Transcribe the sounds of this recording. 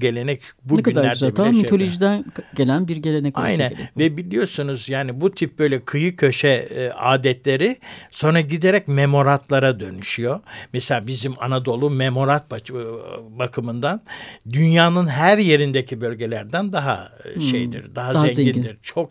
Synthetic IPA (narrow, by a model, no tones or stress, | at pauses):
ɟe̞lʲe̞nɛcbuɛkynaæɾdb̪amit̪ʰolʲoʒid̪ænɟelʲænbiɾɟelʲenɛka̰jnænvɛbilʲijo̞sunuzjaːnibut̪ʰip̚bø̞jlʲɛkʰɯjɯcʰø̞ʃɛa̰ːd̪ɛt̪lʲe̞ɾiso̞nɾaɟid̪eɾɛcmemo̞ɾant̪lˠaɾad̪ø̞nyʃyjo̞mɛselʲaːbizimanad̪o̞lˠumemo̞ɾant̪̚ba | bakʰɯmɯnd̪and̪ynjaːnɯnɦæɾje̞ɾind̪ecʰibø̞lʲɟe̞lʲæɾd̪ænd̪aɦa̰ʃḛjd̪ḭɾd̪aɦazɛɲzɟind̪iɾ̥t͡ʃʰo̞k̚